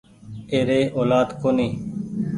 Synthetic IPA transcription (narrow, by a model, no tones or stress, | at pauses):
eːɾeːʔoːlaːd̪koːneː